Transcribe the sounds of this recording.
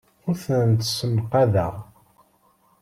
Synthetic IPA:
ʊɾθənnt̪səmqaðəʁ

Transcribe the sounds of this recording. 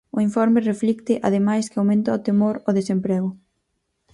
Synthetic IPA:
ʊiɱfɔɾmɪreflikt̪ɪʔaðemajskɪawmẽnt̪ɐot̪emoɾoðesempɾɛɣʊ

